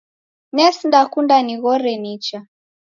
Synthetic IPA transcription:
nɛsndakundaniɣɔɾɛnit͡ʃa

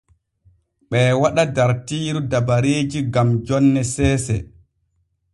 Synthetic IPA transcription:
ɓɛwaɗadaɾtiːɾudabaɾeːd͡ʒiɡamd͡ʒɔnːɛsɛːsɛ̰

